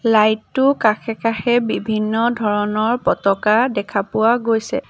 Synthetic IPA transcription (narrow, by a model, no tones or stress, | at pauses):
lajtːʊkaxɛkaxɛbibʱinːɔdʱɔɹɔnɔɹpɔtɔkadɛkʰapʊwaɡojsɛ̰